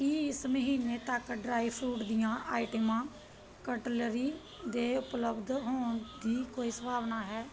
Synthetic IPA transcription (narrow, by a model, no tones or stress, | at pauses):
kiɪsməɦiːneːt̪əkɖɾaːipʰɾuːʈd̪ɪjãːʔaːɪʈəmãː | kəʈələɾiː | d̪eːʊpləbd̪ɦoːɳd̪iːkoːiːsəbʱaːʋnaːɦɛː